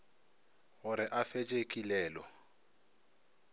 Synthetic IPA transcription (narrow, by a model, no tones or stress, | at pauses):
ɣʊɾɪʔafet͡ʃʼekʼilɛːlɔ